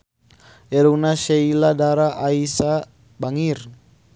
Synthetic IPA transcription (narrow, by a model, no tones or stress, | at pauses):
ɛɾunaʃeiladaɾaʔaisa | baŋir